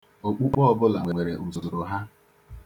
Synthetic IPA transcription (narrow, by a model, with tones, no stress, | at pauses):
o˨k͡pu˦k͡pɔ˦bʊ˦la˨ŋʷe˨e˨ɾe˨ʔu˨zʊ˨dʊ˨ɾʊ˨ɦa˦